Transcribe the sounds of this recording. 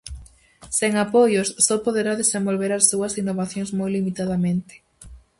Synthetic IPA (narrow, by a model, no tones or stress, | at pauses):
seŋapojʊsːɔpoðeɾaðesẽmbolβeɾasːuɐsinːoβaθjõŋzmojlimit̪aðamẽnt̪ɪ̥